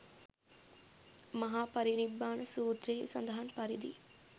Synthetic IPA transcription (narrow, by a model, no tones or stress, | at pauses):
mɐɦaːpɐɾinibːaːɳɐsuːt̪ɾeːsɐ̰nd̪ɐɦanpɐɾid̪ḭ